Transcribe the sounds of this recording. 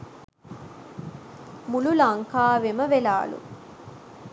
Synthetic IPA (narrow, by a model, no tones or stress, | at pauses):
mululɐŋkaːʋemɐʋelaːlṵ